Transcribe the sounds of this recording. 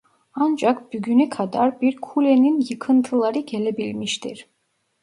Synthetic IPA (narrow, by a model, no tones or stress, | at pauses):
and͡ʒakb̥yɡʲynykʰad̪aɾbiɾkʰulʲeninjɯkʰɯnt̪ʰɯlˠaɾɯɟelʲe̞bilʲmiʃt̪ʰḭɾ̥